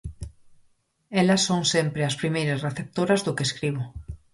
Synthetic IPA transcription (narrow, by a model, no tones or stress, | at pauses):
elɐsːõŋsempɾeaspɾimejɾasreθep̚t̪oɾazðʊkeskɾiβʊ